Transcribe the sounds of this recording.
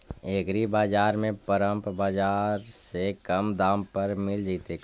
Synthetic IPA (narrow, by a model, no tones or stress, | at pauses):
eːɡɾibaːd͡ʒaːɾmẽpəɾəmpbaːd͡ʒaːɾsekəmd̪ãːmpəɾmɪld͡ʒit̪e